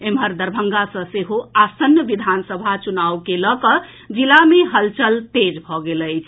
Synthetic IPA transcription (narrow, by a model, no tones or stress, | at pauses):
emɦəɾd̪əɾbʱəŋɡasə̃seɦoasənjəʋid̪ʱansəbʱat͡ʃunawkeləkə | d͡ʒilameɦəlt͡ʃəlt̪ed͡ʒbʱɔɡeləɪt͡ʃʰ